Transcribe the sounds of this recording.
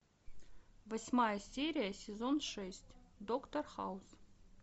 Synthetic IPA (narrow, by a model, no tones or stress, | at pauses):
vɐsʲmajəsʲeɾʲɪjasʲɪzonʂɛsʲtʲd̪okt̪orxaus